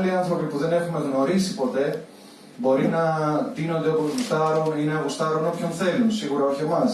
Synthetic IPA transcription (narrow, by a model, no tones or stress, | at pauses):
liɐnθɾo̞pipuðe̞ne̞xume̞ɣno̞ɾisipo̞t̪e̞ | bo̞ɾinɐt̪ino̞nd̪eopoust̪ɐɾonineɐɣust̪ɐɾono̞pço̞nθe̞lunsiɣuɾɐoçemɐs